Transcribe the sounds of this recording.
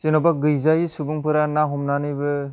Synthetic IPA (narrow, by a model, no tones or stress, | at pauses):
zinɔbaɡɯjzajisubɯŋpɯɾanaɦɔmnanɯjbɯ